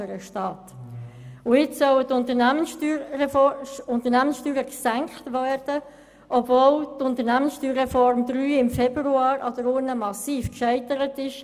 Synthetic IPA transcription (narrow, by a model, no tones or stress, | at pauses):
əɾəʃtɑːt | ʊɪt͡ssœwət̪ʊnt̪ənæməntyː | ʊnt̪əɾnæmənsʃtyːɾəksæŋkχtʋæːɾd̥ə | ʔɔbvoːltʊnt̪əɾnæmənsʃtyːɾːɛfɔɾmd̪ɾyːɪmfɛbɾuɑːɾʔɑd̪əɾʊnəmɑsiːfkʃɛɪtəɾətɪʃ